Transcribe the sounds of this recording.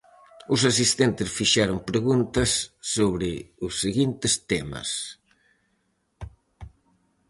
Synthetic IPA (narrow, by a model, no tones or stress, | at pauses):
us̬as̬ist̪ent̪ɪsfiʃaɾompɾeɣunt̪ɐsːoβɾɪusːeɣint̪ɪst̪emɐ̰s